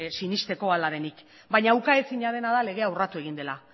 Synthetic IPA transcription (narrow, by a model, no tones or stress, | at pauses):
sinist̪e̞ko̞alaɾe̞nik | baɲaːwkaesiɲaðe̞naðale̞ɣ̞e̞awrat̪ue̞ɣ̞ind̪e̞la